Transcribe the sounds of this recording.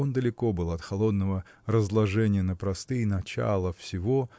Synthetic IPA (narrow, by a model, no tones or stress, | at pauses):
ond̪əlʲɪko̞bɨlˠɐt̪xɐlˠo̞d̪nəvə | rəzlˠɐʐɛnʲɪjənəpɾɐst̪ɨjnɐt͡ɕa̰lˠəfsʲɪvo̞